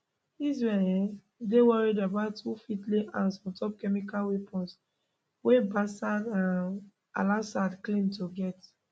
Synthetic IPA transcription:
izɹɛɛ̃ | dewɔɹidabaʊtufitleʔãnsmɔ̃tɔp̚kɛmikalwepʰɔ̃ns | webasadãn | a̰lasadklĩntoɡɛt

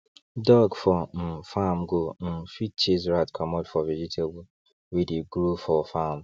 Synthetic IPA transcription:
dɔɡfɔn̩famɡon̩fit̚t͡ʃezɹatkʰɔmɔdfɔvid͡ʒitʰebu | wideɡɾufɔfam

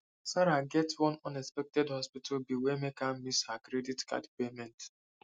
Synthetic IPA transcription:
saɾaɡɛtwɔ̃nɔ̃nɛkspɛk̚tɛdhɔspitʰabiwemekãmishakɾɛditka̰dpemɛ̃nt

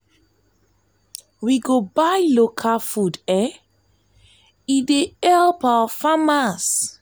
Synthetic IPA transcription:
wiɡobajlokʰafudɛ | ideɛlpawafamas

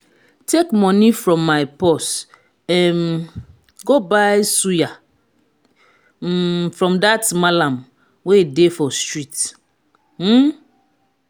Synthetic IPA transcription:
tʰekmɔ̃nifɹɔ̃mːaɪpɔs | ɛn | ɡobaɪsuja | fɹɔ̃mdatmalãm | wedefɔstɹit | m̩

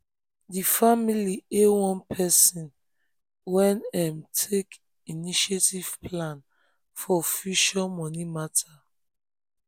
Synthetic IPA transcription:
difamiliewɔ̃npʰɛsɔ̃n | wɛ̃nɛmtʰek | iniʃetiv̥pʰlãn | fɔofiʃɔmɔnimatʰa

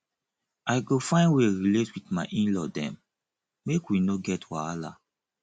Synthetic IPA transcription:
ajɡofãɪ̃nweɹiletwitmaɪʔĩnlɔdɛ̰̃mː | ekwinoɡɛtʰwaala̰

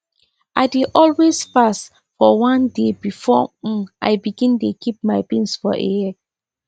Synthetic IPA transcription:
ʔaɪdeʔɔlwezfast | fɔwãndebifɔʔa̰jbiɡĩntukip̚maɪpĩnsfɔ̰ʔḛɛ

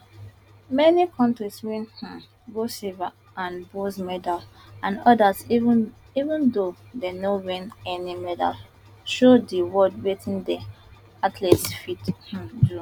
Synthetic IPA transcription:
mɛnikʰɔ̃ntɹiswɛ̃nhã | ɡosiva | ãnbosmɛdal | ãnɔdas | ivũndodenowɛ̃nɛnimɛda̰l | ʃodiwɔd̚wetʰĩndɛ | atʰlɛtsfithũdu

